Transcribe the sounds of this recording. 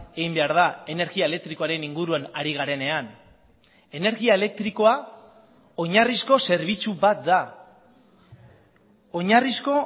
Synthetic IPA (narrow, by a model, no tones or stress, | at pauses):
eɣimbe̞aɾðae̞ne̞ɾɣiaele̞k̚t̪ɾiko̞aɾe̞niŋɡuɾuanaɾiɣ̞aɾe̞ne̞an | e̞ne̞ɾɣiae̞le̞k̚t̪ɾiko̞a | o̞ɲarisko̞se̞ɾβit͡suβat̪̚d̪a | o̞ɲarisko̞